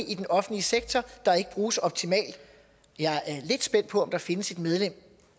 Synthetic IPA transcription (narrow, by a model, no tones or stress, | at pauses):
ʔid̥enɒ̽fn̩liəseɡ̥̚t͡sʰɒd̥ɑ̈e̝ɡ̥əb̥ʁuːsɒ̽b̥t͡sʰimɛ̰ːld̥ | jɑ̈æɐle̝d̥sb̥en̰d̥̚pʰɒ̽ɒ̽md̥ɑ̈fe̝nəse̝d̥með̞ˠlem̰